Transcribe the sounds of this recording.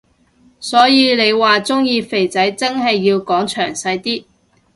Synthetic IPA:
sɔː˨˥jiː˨˧le˨˧jwaː˨t͡sʊ˥ŋjiː˧fe˨˩jt͡sɐ˨˥jt͡sɐ˥ŋɦɐ˨jːiː˧wkɔː˨˥ŋt͡ʃʰœː˨˩ŋsɐ˧jt̪iː˥

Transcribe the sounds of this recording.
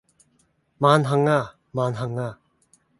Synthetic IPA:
manɦa˧ŋːa˨ | manɦa˨ŋːa

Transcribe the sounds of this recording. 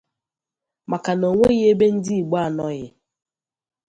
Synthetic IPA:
ma˨ka˨no˨ŋʷe˦ɣɪ˦e˦be˦n̩˦di˦i˨ɡ͡ba˦˨nɔ˦ɣɪ˨

